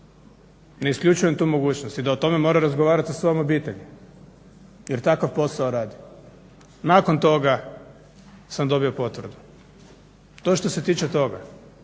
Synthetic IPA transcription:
ne̞iskʎʲut͡ʃujemt̪uːmo̞ɡuːt͡ɕnost̪id̪aot̪o̞me̞mo̞ːɾaɾazɡoʋaːɾat̪sḁsʋo̞jomo̞biːt̪eʎu | je̞ɾt̪akafpo̞saoɾaːd̪i | naːko̞nt̪o̞ɡa | samd̪o̞bio̞po̞t̪ʋr̩d̪u | t̪oʃt̪o̞se̞t̪iːt͡ʃet̪o̞ɡa

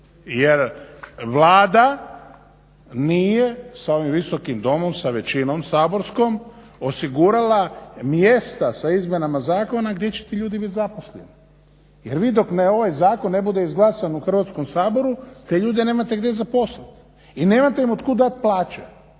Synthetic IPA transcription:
jeɾʋlaːd̪a | niːje̞sao̞ʋimʋiso̞kimd̪o̞momsaʋe̞t͡ɕinomsaːbo̞ɾsko̞m | o̞siɡuɾalˠamjest̪asaizmjenamazaːko̞naɡd̪jet͡ɕet̪iʎuːd̪ibit̪zaposlʎḛni | je̞ɾʋiːd̪o̞kneo̞ʋajzaːko̞nːe̞bud̪e̞izɡlˠasanuxr̩ʋaːt̪sko̞msaːbo̞ɾut̪e̞ʎuːd̪eneːmat̪e̞ɡd̪e̞zapo̞snat̪ | ine̞ːmat̪e̞imod̪kud̪at̪̚plˠaːt͡ʃe

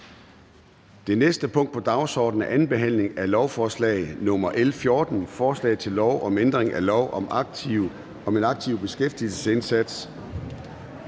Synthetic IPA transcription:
d̥e̝nesd̥əpʰɔ̽ŋ̰d̥̚pʰɒ̽d̥ɑ̈ʊsɒ̰ːd̥n̩æʔænb̥e̝ɦæn̰le̝ŋælɒʊfɒːslɛ̰ːɪð̩nɔ̽mɐʔelfjo̝ːd̥n̩fɒːslɛ̰ːɪðˠt͡sʰe̝lːɒʊʔɒ̽mend̥ʁeŋʔælɒʊʔɒ̽mɑ̥iʊ | ɒ̽me̝nɑ̈ɡ̥̚t͡sʰiʊb̥e̝sɡ̥efd̥il̩səse̝nsæd̥s

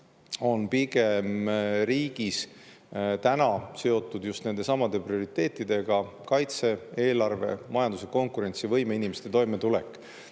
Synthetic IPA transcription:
o̞npiɡ̥e̞mɾiːɡ̥is | t̪ænɑse̞o̞t̪ːˑud̪̥just̪ne̞nd̪e̞sɑmɑd̪̥e̞prio̞ɾit̪ːe̞ːt̪ˑːid̪̥e̞ɡ̥ɑkɑjt̪se̞e̞ːlɑrve̞̰mɑjɑnd̪useko̞ŋkuɾe̞nt̪siɑvɤjme̞inime̞st̪e̞t̪o̞jmet̪ule̞̰kːˑ

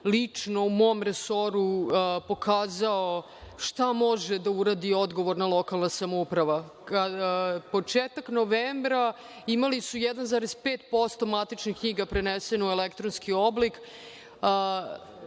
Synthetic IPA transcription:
lit͡ʂno̞umo̞mɾeso̞ɾupo̞kʰaːzao | ʂt̪amo̞ʒed̪auɾaːd̪io̞d̪ɡo̞ʋoɾnalˠo̞kalˠnasamoupɾaʋa | po̞t͡ʂeːt̪aknoʋeːmbɾa | imalisujɛd̪anzaɾezpeːt̪po̞st̪o̞mat̪it͡ʃnixkɲiɡapɾenesenuelekt̪ɾonskio̞blikː

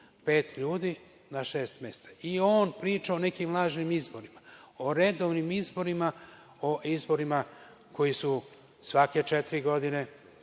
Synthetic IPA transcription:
pe̞ːt̪ʎuːd̪i | naʃe̞ːst̪me̞st̪ḁio̞ːnpɾiːt͡ʃao̞ne̞kimlˠaːʒnimizbo̞ɾimao̞ɾe̞d̪o̞ʋnimizbo̞ɾima | o̞ʔizbo̞ɾima | ko̞jisu | sʋake̞t͡ʃet̪iɾiɡo̞d̪ine̞

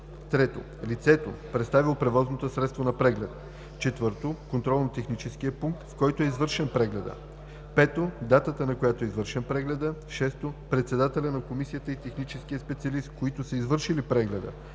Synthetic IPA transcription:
t̪ɾɛt̪o̰ | lit̪sɛt̪o̰pɾɛt̪st̪avilˠpɾɛvɔznot̪osɾɛt̪st̪vonɐpɾɛɡlʲɛt̪ | t͡ʃɛt̪vɤɾt̪okont̪ɾɔlˠnot̪ɛxnit͡ʃɛskiəpuŋk̚t̪fkɔjt̪oɛizvɤɾʃɛnpɾɛɡlʲɛd̪ə̰ | pɛt̪od̪at̪ət̪ənɐkojat̪oɛizvɤɾʃɛnpɾɛɡlʲɛd̪əʃɛst̪opɾɛt̪sɛd̪at̪ɛlʲənɐkomisijət̪əit̪ɛxnit͡ʃɛskijəspɛt̪siɐlist̪koit̪ʊsəizvɤɾʃilipɾɛɡlʲɛd̪ə̰

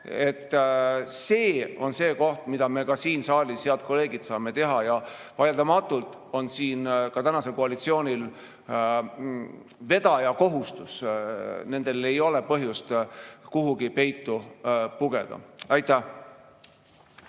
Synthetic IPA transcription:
e̞t̪ːse̞ːo̞nse̞ːko̞ht̪mid̪̥ɑme̞kɑsiːnsɑːlisheɑd̪̚ko̞le̞ːɡid̪̥sɑːme̞t̪e̞ɦɑjɑvɑjld̪ɑmɑt̪ˑːult̪ˑ | o̞nsiːnkɑt̪ænɑse̞lko̞ɑlit̪sio̞ːnʲil | ve̞d̪̥ɑjɑko̞ɦust̪us | ne̞nd̪̥e̞le̞jo̞le̞pɤɦjust̪kuɦuɡipe̞jt̪ːupuɡ̥e̞̰d̪̥ɑ̰ɑjt̪ːˑæh

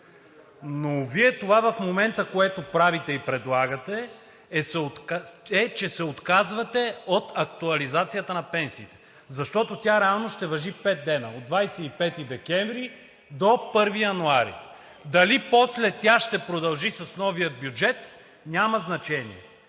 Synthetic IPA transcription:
noviɛt̪ovavɐfmomɛnt̪əkoɛt̪opɾavit̪ɛipɾɛd̪lˠaɡət̪ɛː | sɛot̪kɛt͡ʃɛsɛot̪kazvɐt̪ɛot̪ɐkt̪uɐlizat̪sijət̪ənɐpɛnsiːt̪ɛ̥ | zɐʃt̪ɔt̪ot̪ʲjaɾɛalˠnoʃt̪ɛvɐʒipɛt̪̚d̪ɛnəod̪vajsɛipɛt̪id̪ɛkʲɛɱvɾi | d̪opɤɾvijɐnuaɾḭ | d̪ɐlipɔslɛt̪ʲaʃt̪ɛpɾod̪ɐlˠʒisɐsnɔvijəd̪̚bjud͡ʒɛt̪ | nʲaməznɐt͡ʃɛnḭɛ̰

